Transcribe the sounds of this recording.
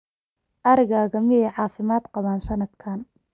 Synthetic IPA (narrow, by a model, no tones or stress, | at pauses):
ʔɐɾɪɣaːɣɐmɪjɛjʕɑːfɪmaːd̪qɑβaːnsɐnɐd̪kʰaːn